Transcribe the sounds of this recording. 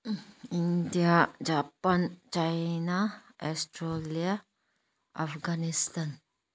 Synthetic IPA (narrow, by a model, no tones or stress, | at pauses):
indiad͡ʒapant͡ʃajnaʔɔstɾolia | ʔafɡanist̪an